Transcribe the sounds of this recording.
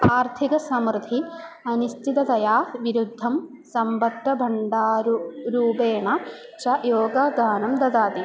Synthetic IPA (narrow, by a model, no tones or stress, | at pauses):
aːɾt̪ʰikɐsɐmɾd̪ʱi | ɐnist̪ʰit̪ɐt̪ɐjaːʋiɾud̪ʱːɐm | sɐmbɐt̪ːɐbʱɐɳɖaːɾɾuːpeːɳɐ | t͡ʃɐjoːɡaːɡaːnɐmd̪ɐd̪aːt̪i